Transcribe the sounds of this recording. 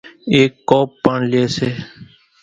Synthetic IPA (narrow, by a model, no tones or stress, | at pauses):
eːkːoːpːaɳleːseː